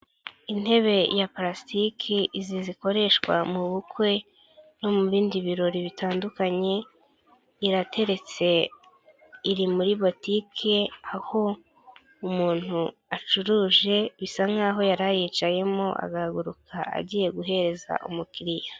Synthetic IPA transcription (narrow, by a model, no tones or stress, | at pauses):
in̥he̞βe̞japɾastikʰiʔiziziko̞ɾe̞ʃkwa̰muβukwe̞ | no̞muβiːndiβiɾo̞ɾiβitaːndukaɲe̞ | iɾate̞ɾe̞t͡se̞ | iɾimuɾiβo̞tikʰe̞aho̞ | umuːn̥huat͡ʃuɾuːʒe̞βisaŋ̥aːɦo̞jaɾajiːt͡ʃaje̞mo̞ʔa̰ɡaɡuɾukʰaʔa̰ɟiːje̞ɡuɦe̞ɾe̞za̰ʔṵmukiɾija